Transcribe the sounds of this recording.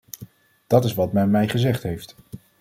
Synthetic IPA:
d̥ɑtɪsʋɑtmɛnmɛjχəzɛχtɦejft

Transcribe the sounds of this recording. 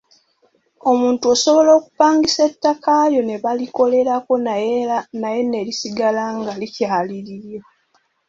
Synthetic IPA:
o̞muːntuoso̞βo̞lo̞ːku̥paːŋɡisetːakajo̞ne̞βaliko̞le̞lako̞nnaje̞ne̞lisiɡalaŋɡalicaaliɾiɾjo

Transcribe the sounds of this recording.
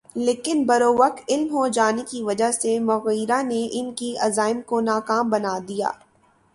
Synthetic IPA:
leːkɪnbɐɾoːʋɐk̚t̪ɪlmɦod͡ʒaːnekiʋɐd͡ʒaɦsemʊɣiːɾaneʔɪnkiɐzaːɪmkonaːkaːmbɐnaːd̪ija̰ː

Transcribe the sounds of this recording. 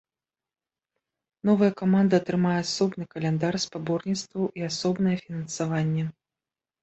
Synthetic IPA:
nɔvɐjɐkamand̪ɐːt̪ɾɨmajɛasɔbnɨkɐlʲɛnd̪arspabɔrnʲit̪st̪vɐwʔiasɔbnɐjɛfʲinɐnsavanʲːɛ

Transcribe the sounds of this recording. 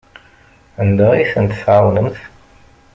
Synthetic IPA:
ənd̪əʁiθənt̪θʕawnəmθ

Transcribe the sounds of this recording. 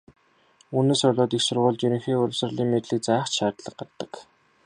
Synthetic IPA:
uːneːsʊɮʲʊːt̪ixsʊrʁʊːɮt͡ɕɵɾɵ̆ŋxeːʊɮʲʊ̆wsrə̆ɮiːŋmet̪ɮiːk̚t͡sæːχt͡ɕʃaːt̪ɮə̆q̚ɢart̪ːə̥̆k

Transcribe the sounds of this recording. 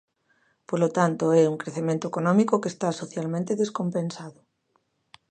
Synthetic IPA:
polot̪ant̪oɛuŋkɾeθemẽnt̪oekonɔ̃mikokest̪asoθjalmẽnt̪eðeskompẽnsaðo

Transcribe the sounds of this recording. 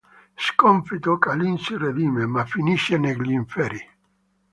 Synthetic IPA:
skɔɱfit̪okalinsired̪iːmemafiniʃːeneɡliɱfɛɾi

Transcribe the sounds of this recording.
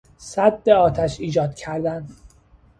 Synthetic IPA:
sæd̪̚beɒːt̪ʰæʃiːd͡ʒɒːd̪̥̚cʰæɾd̪æn

